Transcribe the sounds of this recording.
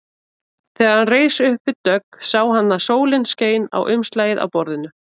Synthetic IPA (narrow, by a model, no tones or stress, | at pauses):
θɛːɣaɾ̥hanreːjsʏhpvɪðt̪œksaːwɦanːasoːwlɪnsceːjna̰wʔʏmst̪laːjɪða̰wpɔɾðɪnʏ